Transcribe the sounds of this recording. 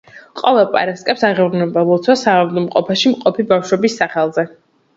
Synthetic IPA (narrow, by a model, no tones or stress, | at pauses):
qʼɔvɛlˠpʼa̰ɾaskʼɛpsaʁɛvɾnɛbalɔt̪sʰwasaavd̪ɔmqʼɔpʰɛʃimqʼɔpʰibafʃwɛbisːaχɛlˠzɛ